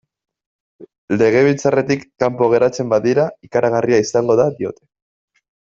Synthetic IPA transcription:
le̞ɣ̞e̞β̞ilt͡sare̞t̪ikːampo̞ɣ̞e̞ɾat͡se̞mbaðiɾaikaɾaɣ̞ariaisaŋɡo̞ðaðio̞t̪e̞̥

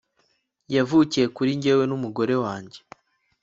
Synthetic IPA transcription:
javucije̞kuɾiɲɟe̞we̞numuɡo̞ɾe̞waːɲɟe̞

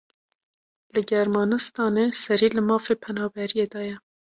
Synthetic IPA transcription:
lɨɡɛɾmɑːnɨst̪ɑːnesɛɾiːlɨmɑːfepʰɛnɑːbɛɾijed̪ɑːjɛ

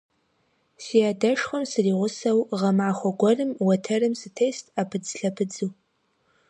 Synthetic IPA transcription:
siaːdɐʂχʷɐmsɨriːʁʷʊsɐwʁɐmaːχʷɔɡʷɔrɨmwɐtʰɐrɨmsɨtʰejstʰʼapʰɨd͡zɬɐpʰɨd͡zɨw

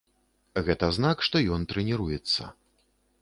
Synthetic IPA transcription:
ɣɛt̪ɐznakʂt̪ɔjɔnt̪ɾɛnʲɛɾujɛt̪sːɐ̰

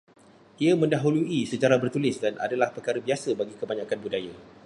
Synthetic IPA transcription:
ʔiamə̃ndaɦuluisəd͡ʒaɾabərt̪ulɪsdanʔa̰dalahpərkaɾəbiasəbaɡikəbaɲãkanbudaja

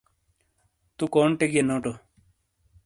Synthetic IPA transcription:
t̪ukoɳʈeɡenoːʈo

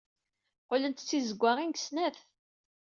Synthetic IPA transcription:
qolənt̪t͡sːizəɡʷːaʁinɡsnæθ

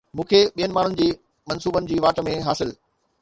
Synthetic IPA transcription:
mũːkʰeɓijənɪ̆maːɳ̤ʊnɪ̆d͡ʑiː | mɐnsuːbənɪ̆d͡ʑiːʋaːʈmẽɦaːsɪl

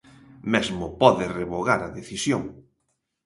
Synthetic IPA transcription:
mɛzmʊpɔðɪreβoɣaɾɐðeθisjoŋ

